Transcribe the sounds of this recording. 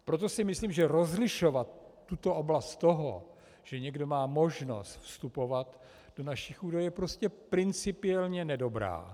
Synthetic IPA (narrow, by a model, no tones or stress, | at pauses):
pɾot̪̬o̞sɪmɪsliːmʒɛɾo̞zlɪʃovat̪ː | ut̪o̞ʔoblast̪t̪ːoɦo̰ | ʒ̥ɛɲɛɡdo̞maːmo̞ʒno̞̰st̪fst̪upo̞vat̪ | d̥o̞naʃixuːdajjɛpɾo̞scɛpɾɪnt͡sɪpɪɛlɲɛnɛdo̞bɾa̰ː